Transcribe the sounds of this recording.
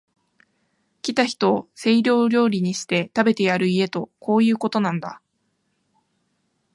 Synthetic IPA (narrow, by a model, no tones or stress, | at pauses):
kʲit̪açi̥t̪o̞ːse̞iɾʲo̞ːɾʲo̞ːɾʲiɲ̟iɕi̥t̪e̞t̪abe̞t̪e̞jaɾɯ̟ie̞t̪o̞ko̞ːjɯ̟ːko̞t̪o̞nãnd̪a̰